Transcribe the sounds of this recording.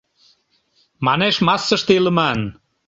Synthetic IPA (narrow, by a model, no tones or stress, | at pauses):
mɑneʃmɑsːəʃt̪eilə̆mɑn